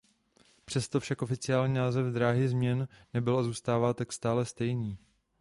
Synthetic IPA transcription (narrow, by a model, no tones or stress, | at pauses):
pr̥ɛst̪o̞fʃakʔofɪt͡sɪaːlɲiːnaːzɛvd̪ɾaːɦɪzmɲɛnnɛbɪlazuːst̪aːvaːt̪akst̪aːlɛst̪ɛjniː